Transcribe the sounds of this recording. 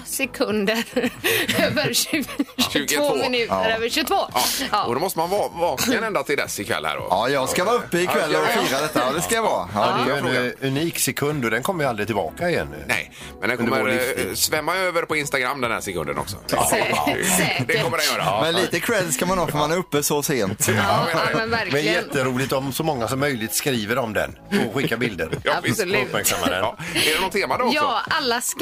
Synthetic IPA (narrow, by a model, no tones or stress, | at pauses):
sɛkʰɵnd̪əɾøːvəɾɕ | ʉːɡətvoːvoɪnʉ̟ːtəɾøːvəɕʉɡt̪voːɑɔd̪ɔmɔst̪əmanvɑvɑːknanɛnd̪at̪ʰɪld̪ɛ̰sɪkʰvɛ̰lːhæ̰ːɖɔ̰ɑjɑːɡskavɑːɵpːəɪkʰvɛlːɔfiːɾad̪ɛt̪ːad̪ɛskajavɑːd̪ɛj̪ʉniːksɛkʰɵnd̪ɔd̪ɛnkʰɔmːəjəalɾɪt̪ʰɪlbɑ̰ːkaɪjɛ̰n̰ːnɛ̰j | mɛ̰nd̪ɛnkɔmːəɾsvɛmːaøːvəɾpɔɪnst̪aɡɾamːd̪ɛnd̪æ̰ɾsɛkʰɵ̰nd̪ə̰nɔ̰ksɔ̰ | d̪ɛkɔmːədɛnjœːɾa̰mɛnliːt̪əkʰɾɛd̪skamanɔfœɾmanɛɾɵpːəsɔseːnt̪ː | ɛnæɾmɛɛjɛt̪ːəɾuːlɪt̪ɔmsɔmɔŋːasɔmːœjlɪt̪skɾiːvəɾɔmd̪ɛ̰n | ɔɧɪkːabɪld̪əɾjɵpmæɾksamːad̪ɛ̰nːɛɖɛnɔt̪ʰːeːmad̪ɔjalːas